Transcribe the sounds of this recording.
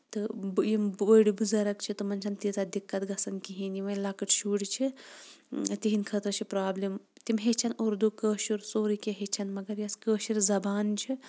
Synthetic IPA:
t̪ɨjimʋəjɽibuzɐɾɐkt͡ʃʰit̪ɨmɐnt͡ʃʰɐnt̪it̪ɐd̪ikːɐt̪ɡɐsɐnkiɦĩniʋɐjlaːkɐʈʰʃuːɽt͡ʃʰi | t̪iɦinkʰɐt̪ɾɐt͡ʃʰipɾaːblimt̪imɦet͡ʃʰɐnoɾd̪ukəːʃuɾsoːɾikʲeɦet͡ʃʰɐnmɐɡɐɾjɐskəːʃiɾzɐbaːnt͡ʃʰi

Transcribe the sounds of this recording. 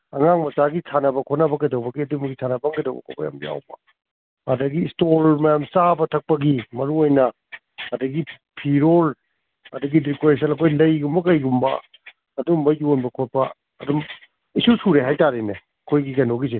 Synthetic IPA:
ɐŋaŋmɐsaɡisʰanɐbɐkʰotnɐbɐkɐjdɐwbɐɡiɐdumbɐɡisʰanɐbɐŋkɐjdɐ̰wbɐ̰kʰo̰pɐ̰ja̰mja̰wbɐ | adɐɡistolmɐjamsabɐtʰɐk̚pɐɡimɐɾuojnɐ | ɐdɐɡi | pʰiɾol | ɐdɐɡidikoɾes̬ɐlɐkʰojlɐjɡumbɐkɐjɡumbɐ̰ː | dumbɐjonbɐkʰot̚pɐː | dum | isusuɾeɦajtaɾine | ɐkʰojɡikɐjnoɡis̬e

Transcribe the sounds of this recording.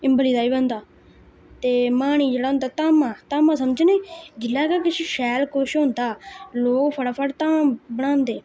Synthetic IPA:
ɪmbəliːd̪aːiːbənd̪aː | t̪eːmaːɽ̃iːd͡ʒeːɽaːɦʊ̃ːnd̪aːt̪aːmãːt̪aːmãːsəmd͡ʒneːd͡ʒɪlːaːkakɪt͡ʃiʃɛːlkoʃɦõːnd̪aːloːɡpʰəɽaːpʰəɽt̪aːbəɽ̃ãːnd̪eː

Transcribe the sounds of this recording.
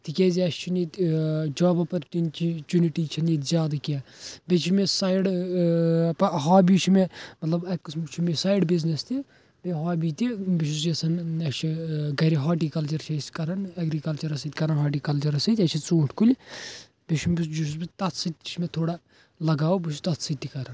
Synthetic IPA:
t̪ikʲeziɐʃt͡ʃʰinet̪ʲd͡ʒaːbɐpɐɾt̪ʲint͡ʃit͡ʃuniʈiːt͡ʃʰineːt̪zʲjaːd̪ɐkabʲet͡ʃʰimesaːjɽ | pɐɦaːbiːt͡ʃʰimemɐt̪lɐbɐkɐsmt͡ʃʰimesaːjɖbiznest̪i | beɦaːbiːt̪ʲibiʃuzɐsɐnɐt͡ʃʰiɡɐɾiɦaːʈiːkɐlt͡ʃɐɾt͡ʃʰɐskɐɾɐnɐɡɾiːkɐlt͡ʃɐɾɐsɐt̪ʲkɐɾɐnɦaːʈiːkɐlt͡ʃɐɾɐsɐt̪ʲɐt͡ʃʰit͡sõːʈʰkulʲ | beʃumbisd͡ʒuʃuzbit̪ɐt̪ʰsit̪t͡ʃʰmet̪ʰoːɽa | lɐɡaːobɪʃʰut̪ɐt̪ʰsit̪ːikɐɾɐn

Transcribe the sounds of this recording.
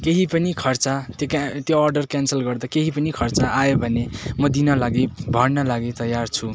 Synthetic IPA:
keɦipʌnikʰʌrt͡sat̪jokt̪joːrɖʌrkjansʌlɡʌrd̪akeɦipʌnikʰʌrt͡saajobʱʌnemʌd̪inʌlaɡebʱʌrnʌlaɡet̪ʌjːart͡sʰu

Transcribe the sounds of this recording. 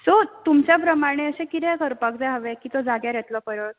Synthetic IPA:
sot̪umt͡ɕjapɾəmaɽ̃eəɕẽkit̪ɛ̃kəɾpakd͡zaɦəʋɛkiːt̪od͡zaɡjaɾjɛt̪lɔpəɾət

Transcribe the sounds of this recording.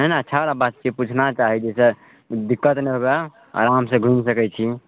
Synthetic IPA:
ɦɛnaətːʃʰaoɾabat̪̚t͡ʃeput͡ʃʰnat͡ʃaɦid͡ʒese | d̪ikːət̪nɛɦobe | a̰ɾamsẽɡʱunsəkɛt͡ʃʰi

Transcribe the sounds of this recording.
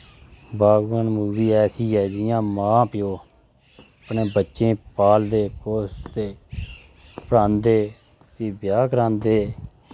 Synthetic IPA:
baːɡʋənmuːbiːɛːsiːɦɛːd͡ʒɪjãːmãːpɪjoː | əpneːbətːʃẽːpaːld̪eːkoːst̪eː | pəɾãːnd̪eː | iːbjaːkəɾãːnd̪eː

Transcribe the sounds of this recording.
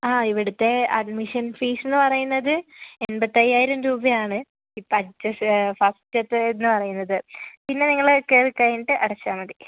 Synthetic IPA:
aːiʋiɽut̪ːe̞ɐɖmiʂɐnfiːsenːɨpɐrɐjunːɐðɨenbɐt̪ːɐjaːjiɾɐmɾuːbɐjaːɳɨ | iːpɐt͡ɕːɐsfɐstɐt̪ːɨenːɨpɐrɐjunːɐðɨpinːe̞niŋːɐɭkːerkːɐjinʈːɨʔɐɽɐt͡ɕːaːmɐði

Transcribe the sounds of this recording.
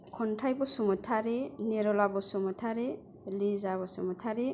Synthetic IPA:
kʰɔntʰajbɔsɔmɔtʰaɾeneɾɔlabɔsɔmɔtʰaɾe | lizaβɔsɔmɔtʰaɾe

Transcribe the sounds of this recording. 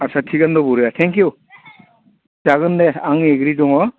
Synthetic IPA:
asatʰiɡandɔbuɾɯjatʰɛŋkju | taɡɯndeaŋeɡɾidɔŋɔ

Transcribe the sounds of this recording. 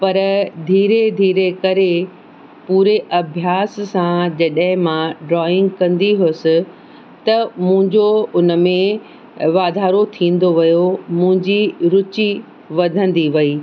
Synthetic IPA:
pɐɾd̪ʱiːɾed̪ʱiːɾekɐɾe | puːɾeʔɐbʱjaːsːãd͡ʑɐɗəɦɪ̃mãɖɾɔːɪ̃ŋɡkɐ̃nd̪iɦʊsɪ̆ | t̪ɐmʊ̃ɦɪ̃ɲd͡ʑoʊnəmẽ | ʋaːd̪ʱaːɾot̪ʰĩːn̆d̪oʋɐjomʊ̃ɦɪ̃ɲd͡ʑiɾʊt͡ɕi | ʋɐd̪ʱə̃nd̪iʋɐiː

